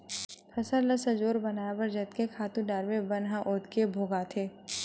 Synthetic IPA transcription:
pʰɐsəɾlɐsəd͡ʒoːɾbɐnaːjabəɾd͡ʒɐt̪kekʰaːt̪ũɖaːɾbebɐnɦãʔoːt̪kebʱoːɡat̪ʰeː

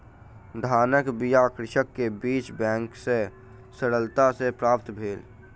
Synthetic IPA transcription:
d̪ʱaːnəkbijakɾɪʃəkːebiːt͡ʃbɛ̃ːŋkse | səɽəlt̪asepɾaːp̚t̪bʱeːl

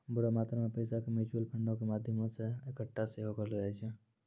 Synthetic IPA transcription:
bʊɽamaːt̪ɾamepəɪsakemɪt͡ʃuəlpʰəɳɖõkemaːd̪ʱjəmõseekəʈːaseɦokəɾld͡ʒat͡ʃʰe

